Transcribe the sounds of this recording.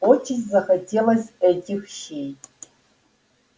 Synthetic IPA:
ɔtʰizzɐxɐdeːlɐzɛdʲɪxʃeːj

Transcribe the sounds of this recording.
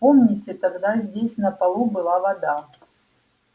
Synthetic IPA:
pomnʲitʲɛt̪aɡd̪azʲdʲesʲnɐpɐlˠubɨlˠavɐd̪a

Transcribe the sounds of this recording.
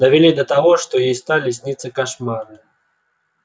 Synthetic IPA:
d̪ɐvʲilʲid̪ɐt̪aɣɔʂt̪ɔjist̪alʲis̬ʲnʲit̪sɐkaʂmarnɐ

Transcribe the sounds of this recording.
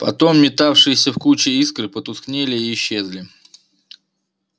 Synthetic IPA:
pɐ̰t̪o̞mːʲɪt̪afʂɨjɪsʲəfkut͡ɕɪiskɾɨpət̪ʊsknʲelʲɪiːɕːe̞zlʲɪ

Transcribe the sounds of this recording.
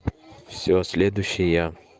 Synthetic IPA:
fsʲosʲlʲed̪ʊɕːɪja

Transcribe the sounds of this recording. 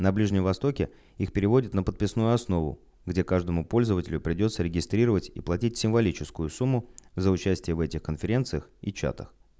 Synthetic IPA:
nɐblʲiʐnʲɪmvɐst̪o̞kʲɪ | ixpʲɪɾʲɪvo̞dʲɪt̪nəpət̪̚pʲɪsnujʊɐsno̞vʊ̰ | ɡdʲe̞kaʐd̪əmʊpo̞lʲzəvətʲɪlʲʊpɾʲɪdʲo̞t̪səɾʲɪɡʲɪst̪ɾʲiɾəvətʲḭplˠɐtʲitʲsʲɪmvɐlʲit͡ɕɪskʊjʊsumːʊzəʊt͡ɕæsʲtʲɪjəvɛtʲɪxkənfʲɪɾʲe̞nt̪sɨjəxit͡ɕa̰t̪əx

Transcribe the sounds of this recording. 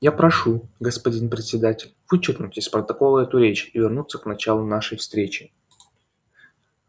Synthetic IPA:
japɾɐʂuɡəspɐdʲinpɾʲɪt̪ʲsʲɪd̪atʲɪlʲv̥ɨt͡ɕɪrknʊtʲɪsʲpɾət̪ɐkolˠɛt̪ʊɾʲet͡ɕɪvʲɪrnut̪səknɐt͡ɕalˠʊnaʂəjfst̪ɾʲet͡ɕɪ̥

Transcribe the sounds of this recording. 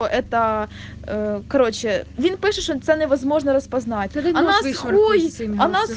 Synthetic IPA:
oʔɛt̪ɐ | kɐɾo̞t͡ɕɪvʲinpɨʂɨtʂot̪sɛnɨɪʋɐzmoʐnɐɾɐspɐznat̚ʲɐnasxujɐnas

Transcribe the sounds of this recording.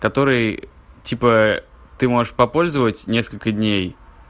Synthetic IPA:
kɐt̪o̞ɾɨj | tʲipə | t̪ɨmo̞ʐɨʂpɐpo̞lʲzəvətʲnʲe̞skəlʲkədʲnʲej

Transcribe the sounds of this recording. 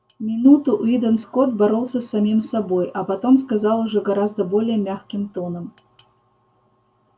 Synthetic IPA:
mʲɪnut̪ʊʔid̪ənskot̪̚bɐɾolˠsʲəsːamʲimsabojɐpɐt̪omskazalˠʊʐɛɡɐɾazd̪əbolʲɪjəmʲaxkʲɪmt̪ɔnəm

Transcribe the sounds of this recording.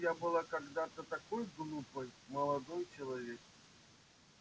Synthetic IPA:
jabɨlˠakɐɡd̪at̪ət̪ɐkojɡlˠupəjmɐlˠɐd̪ɔjt͡ɕɪlˠɐvʲek

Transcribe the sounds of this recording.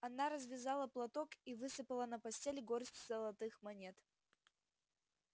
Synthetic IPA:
ɐnaɾəzvʲɪzalˠəplˠɐt̪okivɨsɨpəlˠənəpɐsʲtʲelʲɪɡoɾsʲtʲzəlˠɐt̪ɨxmɐnʲet̪

